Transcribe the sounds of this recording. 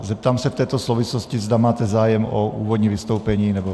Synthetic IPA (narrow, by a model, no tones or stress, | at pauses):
zɛp̚t̪aːmsɛft̪ɛːt̪ɔsluʋislɔscizd̪amaːt̪ɛzaːjɛmɔuːʋɔd̪ɲiʋist̪ɔʊpɛɲiːnɛbɔ